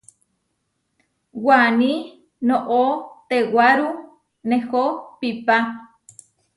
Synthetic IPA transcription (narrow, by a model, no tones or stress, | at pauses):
wani | noʔot̪ewaɾu | nehopipa